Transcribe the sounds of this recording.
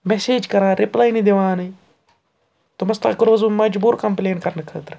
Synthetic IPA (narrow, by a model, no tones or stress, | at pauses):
meseːd͡ʒkɐɾãːɾɪplaːinid̪eʋãːnɐ | t̪ʊmɐst̪a̰ːkʊɾʋɐzumɐd͡ʒbuːɾkɐmpleːnkɐɾnɐkʰəːt̪ɾ